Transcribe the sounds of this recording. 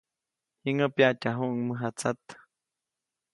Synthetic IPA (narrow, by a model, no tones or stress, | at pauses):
hiŋəpjatʲaɦuʔŋməɦat͡sat̪